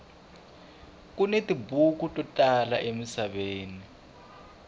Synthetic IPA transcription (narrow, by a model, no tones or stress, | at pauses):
k̬unetʼibuk̬utʼɔtʼala̰ʔemisaɓeːni